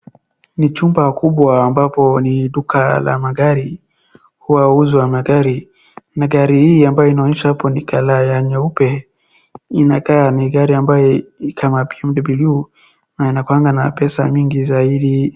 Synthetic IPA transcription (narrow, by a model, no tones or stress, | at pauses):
nit͡ʃumbakuɓwaːmbapɔniɗukʰala̰maɡaɾi | huwauzwamaɡaɾi | naɡaɾihiːambajɔinaɔɲɛʃahapɔnikalajaɲaupɛ | inakaːniɣaɾiambajɔikʰamapiam̩ɗibilu | nainakwaŋɡanapɛsamiŋɡizaiɗi